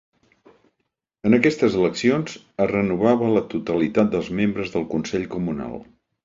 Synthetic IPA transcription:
ənəkɛst̪əzələksionz | ərənuβaβələt̪ut̪əlit̪at̪̚d̪əlˠzmembɾəzðəlˠkunsɛʎkumuna̰lˠ

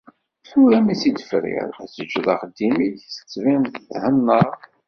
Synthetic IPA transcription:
θuɾæmisid̪ə̥fɾɪ̰ɾˤæsəd͡ʒðˤɑ̰χəd̪ːimiçsə̥t͡sːvinθəθhənːəɾˤ

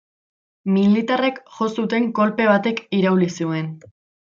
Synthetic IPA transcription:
milit̪are̞kxo̞sut̪e̞ŋko̞lpe̞β̞at̪e̞kiɾawlisue̞n

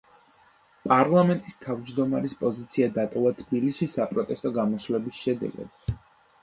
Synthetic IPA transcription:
pʼaɾlˠamɛnt̪ʼist̪ʰavd͡ʒd̪ɔmaɾispʼɔzit̪sʰiad̪at̪ʼɔvat̪ʰbiliʃisapʼɾɔt̪ʼɛst̪ʼɔɡamɔsvlɛbisʃɛd̪ɛ̰ɡɛ̰b

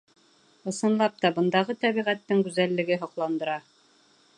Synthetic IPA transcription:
ɤ̆sɤ̆nlˠɑp̚t̪ɑbɤ̆nd̪ɑʁɤt̪æβiʁæt̪ːɘŋɡʉzælːɘ̆ɡɘɦŏqlˠɑnd̪ɤ̆ɾɑ

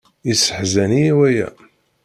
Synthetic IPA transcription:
isə̥ħzæniiwæjæ̰

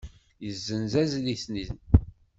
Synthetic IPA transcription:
jəzːənzæzliθniθn

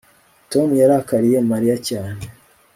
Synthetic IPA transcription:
to̞mujaɾahakaɾije̞maɾijacaːne

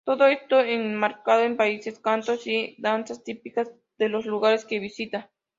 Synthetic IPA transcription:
t̪oðoest̪oeŋmaɾkað̞oempaiseskant̪osid̪ansast̪ipikaz | ð̥elosluɣaɾeskeβisit̪a

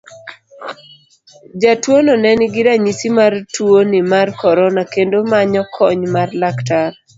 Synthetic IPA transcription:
d͡ʒatwonɔnɛnɪɡɪɾaɲisimartwonɪmarkɔɾɔnakendomaɲɔkʰɔɲmarlaktar

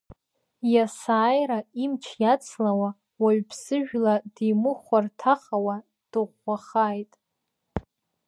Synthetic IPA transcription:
jasaːjɾaimt͡ʃʰjat͡sʰlawa | waɥpʰsɨʒᶣladimɨχʷartʰaχawa | d̥ɨʁːaχajtʼ

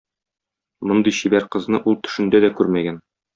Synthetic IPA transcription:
mŏnd̪ɤjɕibæɾqɤ̆znɤʔulˠt̪ɵ̥̆ʃɘ̆nd̪æd̪ækʉɾmæɡæn

